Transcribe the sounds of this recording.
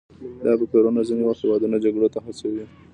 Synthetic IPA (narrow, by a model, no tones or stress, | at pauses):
d̪ɑb̪əkoɾonaziniwahewɑd̪unad͡ʒaɡɽot̪axasawi